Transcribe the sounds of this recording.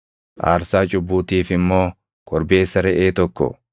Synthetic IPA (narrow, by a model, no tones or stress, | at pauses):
ʔa̰ːɾsaːt͡ʃʼʊbːuːt̪iːfɪmːo̞ː | kɔɾbe̞ːsːɐɾɛʔeːt̪ɔkːɔ̰